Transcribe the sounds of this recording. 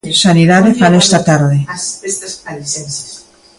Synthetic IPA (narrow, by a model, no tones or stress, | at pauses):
saniðaðefanest̪at̪aɾðe